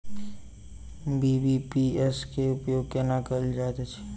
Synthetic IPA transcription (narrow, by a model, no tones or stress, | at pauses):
bibipiɛskeʊpjoɡ̚kenakəd͡ʒat̪et͡ʃʰe̥